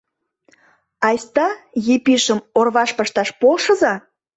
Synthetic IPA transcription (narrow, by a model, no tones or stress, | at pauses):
ɑjst̪ɑjipiʃəmorβɑʃpəʃt̪ɑʃpolʃə̆zɑ